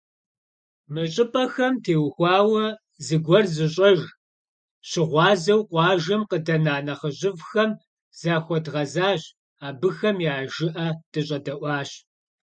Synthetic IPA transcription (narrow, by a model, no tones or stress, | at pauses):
mɨɕʼɪpʼɐxɐmtʰeːwxʷɑːwɐ | zɨɡʷɔrzɨɕʼɐʒ | ɕɪʁʷɑːzɐwqʷɑːʒɐmqədɐnaːnɐχəʑɪvxɐm | z̥aːxʷɔdʁɐzaːɕ | aːbɨxɐmjaːʒɪʔɐd̥ɨɕʼɐdɐʔʷɑːɕ